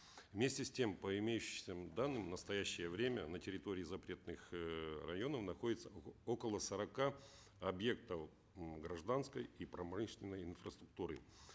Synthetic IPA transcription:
vmʲesʲtʲɪsʲtʲe̞mpəɪmʲejʉɕɪsʲəd̪anːɨmnəst̪ɐjæɕːɪjəvɾʲemʲənətʲɪɾʲɪt̪o̞ɾʲɪːɪzɐpɾʲe̞t̪nɨxrɐ̰jo̞nəfnɐxo̞dʲɪt̪səo̞kəlˠəsəɾɐka | ɐbje̞k̚t̪ə | ɡɾɐʐd̪anskəjipɾɐmɨʂnʲɪnːəjɪnfrəst̪ɾʊk̚t̪uɾɨ̰

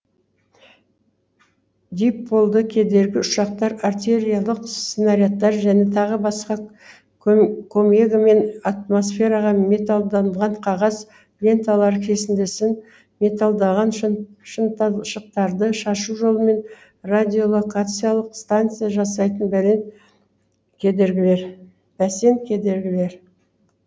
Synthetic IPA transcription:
d̪ʲejp̚bo̞lˠd̪əkʲʰe̞d̪e̞ɾɡʲɪʊʃɑq̚t̪ɑɾaɾt̪e̞ɾʲijalˠəqst̪enaɾijat̪ːɑɾʒæne̞t̪ʰɑʁəbɑsqɑ | kʰomeɡme̞nat̪̚mo̞sfʲe̞ɾɑʁɑme̞t̪alˠd̪ɑnəʁɑɴqʰɑʁɑz | vʲe̞nt̪alˠɑɾəkʲʰe̞sɪnd̪e̞sɪn | mʲe̞t̪alˠd̪ɑʁɑnʃəʃəq̚t̪ɑɾd̪əʃɑʃuʒo̞lˠəme̞n | rad̪ʲio̞lˠo̞kat̪sɨjalˠəqst̪ant̪sɨjaʒɑsɑjt̪ənbæle̞n | kʲʰe̞d̪e̞ɾɡʲɪle̞ɾ | bæse̞nkʲʰe̞d̪e̞ɾɡʲɪle̞ɾ

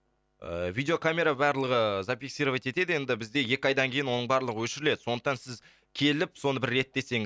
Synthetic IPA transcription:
ə̰vijd̪ʲeo̞kʰamʲe̞ɾabɑɾlˠəʁəzapʲiksiɾovajt̪e̞t̪e̞d̪ɪje̞nd̪ɪbɪzd̪e̞je̞kʲɪɑjd̪ɑŋkʲʰe̞jɪnwo̞nəɴbɑɾlˠəʁəwɵʃɪɾɪle̞d̪ɪ̥so̞nd̪əqt̪ɑnsɪz | kʲʰe̞lɪpso̞nəbɪɾːe̞t̪ːe̞se̞ŋɪ

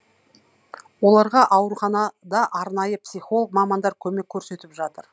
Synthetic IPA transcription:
wo̞lˠɑɾʁɑʔɑwɾuχɑnɑd̪ɑʔɑɾnɑjəpsijχo̞lˠəkmɑmɑnd̪ɑɾkʲʰɵme̞kʲʰːɵɾse̞t̪ɪpʒɑt̪əɾ

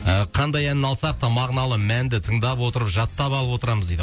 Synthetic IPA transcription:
əqʰɑnd̪ɑjænːɑlˠsɑq̚t̪ɑmɑʁnɑlˠəmænd̪ɪt̪ʰəɴd̪ɑpwo̞t̪əɾəpʒɑt̪ːɑpɑlˠəpwo̞t̪əɾɑməzd̪ejd̪

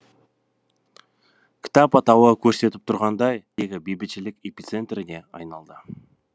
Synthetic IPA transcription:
kʲʰɪ̥t̪ɑpɑt̪ɑwəkʲʰɵɾse̞t̪ɪ̥p̚t̪ʰʊɾʁɑnd̪ɑjjeɡʲɪbejbɪt̪ʃɪlɪke̞pʲit̪se̞nt̪rɪne̞ɑ̰jnɑlˠd̪ə

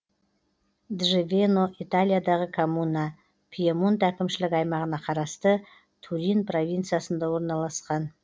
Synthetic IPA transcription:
d̪ʒevʲeno̞ʔit̪alʲˠijad̪ɑʁəkʰomunɑ | pʰiemunt̪ækʲɪmʃɪlɪkɑjmɑʁənɑqʰɑɾɑst̪ə | t̪ʰuɾinpro̞vʲijnt̪sɨjasənd̪ɑwo̞ɾnɑlˠɑsqɑn

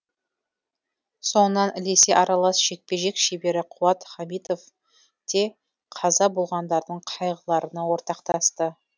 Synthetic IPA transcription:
so̞nənɑnʔɪlese̞ʔɑɾɑlˠɑsʃe̞k̚pe̞ʒe̞kʃebe̞ɾɪqʰʊɑt̪χɑmijt̪o̞f | d̪̥e̞ | qʰɑzɑbolˠʁɑnd̪ɑɾd̪əɴqʰɑjʁəlˠɑɾənɑwo̞ɾt̪ɑqt̪ɑst̪ə

